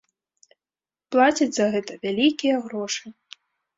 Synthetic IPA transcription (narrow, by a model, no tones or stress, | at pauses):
plˠat͡sʲid͡zʲzɐɣɛt̪ɐvʲalʲikʲijɐɣɾɔʂɨ